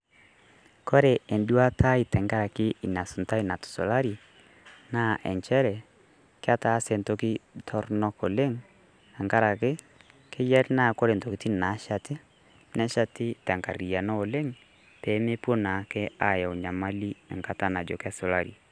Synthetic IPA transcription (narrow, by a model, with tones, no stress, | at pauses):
kɔ˦ɾɛ˨e˨ndu˦a˦ta˦i˨tɛ˨ŋɡa˦ɾa˨kɪ˦i˨na˨su˨nta˦i˦na˨tu̥˨so̰˨la˦ɾi˨ | na˦˨ʔɛ̰˨ɲt͡ʃɛ˦ɾɛ˨ | kɪ˦a˦ta˦se˨nto˦ki˦tʰɔ˦ɾnɔ˦ko˨le˦ŋ | a˨ŋɡa˦ɾa˨kɪ˦ | kʰe˦jɛ˦ɾna˦˨kɔ˦ɾe˨nto˨ki˨ti˦na˨˦ʃa˨tɪ˦ | nɛ˦ʃa˦tɪ˦ta˨ŋka˨ɾi˨a˨nɔ˦o˨le˦ŋ | tɛ˨˦me˦pwo˦na˨˦kɛ˦a˨ja˨ɲa˨ma˦li˦ɛ̰˨ŋka˦ta˦na˨d͡ʒo̰˨kɛ˦so˨la˦ɾi˨